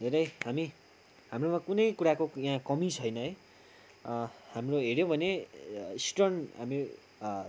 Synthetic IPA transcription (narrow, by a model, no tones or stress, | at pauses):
d̪ʱeɾʌjhami | ɦamromakunʌjkuɾakojãkʌmit͡sʰʌjnʌɦʌj | hamroɦeɾjõbʱʌneisʈʌnɦami